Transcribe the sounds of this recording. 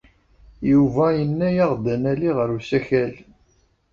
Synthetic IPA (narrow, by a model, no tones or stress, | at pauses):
juvæjənːæjɑʁd̪ənæliʁəɾusæçæl